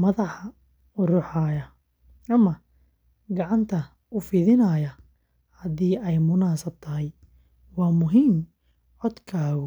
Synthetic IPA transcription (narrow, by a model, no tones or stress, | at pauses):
mɐðɑħɑ | ʊrʊħɑːjɐ | ʔɐmɐ | ɡɑʕɑnt̪ʰɐ | ʔʊfɪðɪnɐːjɐ | hɐd̪iːɛjmʊnaːsɐb̚t̪ʰɐɦɛj | wɑːmʊɦiːm | ʕɔd̪kʰaːɣʊ